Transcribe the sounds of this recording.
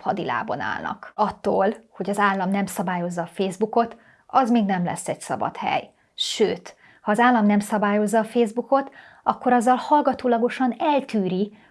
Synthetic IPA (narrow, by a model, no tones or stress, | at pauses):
hɒd̪ila̰ːbo̰na̰ːlnɒ̰kɒt̪ːoːlho̞ɟɒzaːlːɒmnɛmsɒbaːjo̞zːɒːfeːzbuko̞t̪ | ɒzmeːɡnɛmlɛ̰sːɛɟsɒ̰bɒ̰t̪hɛ̰j | ʃøːt̪ | hɒːzaːlːɒmnɛmsɒbaːjo̞zːɒːfeːzbuko̞t̪ | ɒkːo̞ɾɒzːɒlhɒlɡɒt̪oːlɒɡo̞ʃɒnɛlt̪yːɾi